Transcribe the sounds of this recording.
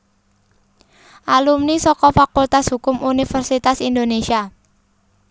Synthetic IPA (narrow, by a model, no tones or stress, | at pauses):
ʔalumnisɔkɔfakult̪asɦukʊmʔunifərsit̪asind̪onesia